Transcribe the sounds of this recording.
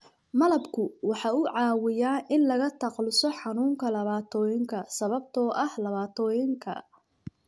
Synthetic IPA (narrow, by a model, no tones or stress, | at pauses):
mɐlɐbkʰʊwɑħɑːʊʕɑːwɪjaːnʔɪnlɐɣɐt̪ʰɑqlɪsɔħɑnuːŋkʰɐlɐβaːt̪ʰɔːjɪŋkʰɐsɐβɐb̚t̪ʰɔːʔɐhlɐβaːt̪ʰɔːjɪŋkʰɐ̰